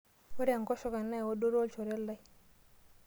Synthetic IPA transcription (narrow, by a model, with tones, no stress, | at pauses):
wo˦ɾa˨ŋko˦ʃo˦ka˨nːa˦jwo˦do˦ɾo˦lt͡ʃo˨ɾe˦lːa˦j